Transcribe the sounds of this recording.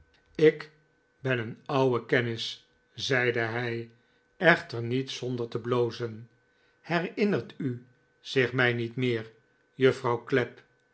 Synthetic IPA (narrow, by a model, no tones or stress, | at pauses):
ɪk | bɛnənʌwəkɛnɪs | zɛjdəɦɛj | ɛχtəɹnitsɔndəɹtəblowzən | hɛrɪnərty | z̥ɪχmɛjnitmɪːɹ | jɵfrɑwklɛp